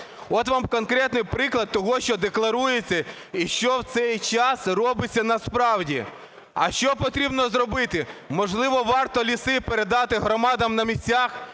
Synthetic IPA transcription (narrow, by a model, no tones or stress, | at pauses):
ɔt̪ʋɑmkɔnkɾɛt̪nɪjpɾɪklˠɐd̪̚t̪ɔɦɔʃt͡ʃɔd̪eklˠɐɾujet͡sʲːɐ | iʃt͡ʃɔwt̪sɛjt͡ʃɑsrɔbɪt͡sʲːɐnɐspɾɑwdʲi | ɐ̰ʃt͡ʃɔpɔt̪ɾʲibnɔzrɔbɪt̪ɪmɔʒlˠɪʋɔʋɑrt̪ɔlʲisɪpeɾed̪ɑt̪ɪɦɾɔmɑd̪ɐmnɐmʲisʲtʲax